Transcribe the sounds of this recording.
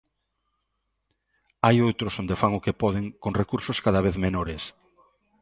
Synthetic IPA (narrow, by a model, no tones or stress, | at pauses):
ajowt̪ɾʊsond̪efaŋʊkepɔðeŋkoŋrekuɾsoskaðaβ̞eθmenoɾes